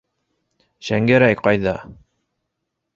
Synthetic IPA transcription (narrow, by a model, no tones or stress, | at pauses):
ɕæŋɡæɾæjqɑjðɑ